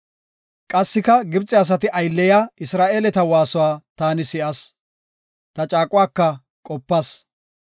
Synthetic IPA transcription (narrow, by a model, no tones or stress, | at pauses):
kʼɐsːɪkɐɡɪbt͡sʼɛɐs̬ɐt̪ɪʔɐjlːɛjaɪsɾaːʔeːlɛt̪ɐwaːsʊwaːt̪aːnɪsɪʔɐs | t̪ɐt͡ʃʼaːkʼʊwaːkːɐ | kʼɔpːɐs